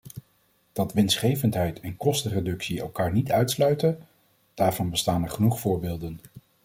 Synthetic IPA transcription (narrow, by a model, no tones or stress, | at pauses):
d̥ɑtʋɪnsχejvəntɦɛjtʰɛnkɔstəredɵksiɛ̰lˠkaːɹnitœɥtslœɥtə | d̥aːɹvɑnbəstaːnɛɹχənuχfʊːɹbeːlˠdən